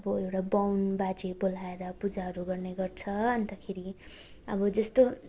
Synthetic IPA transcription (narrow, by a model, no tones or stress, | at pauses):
ʌbʌewʈabawnbad͡zebol̤aeɾʌpud͡zaɦʌɾuɡʌrneɡʌrt͡sʰʌʌnt̪akʰeɾi | ʌbʌd͡zʌst̪o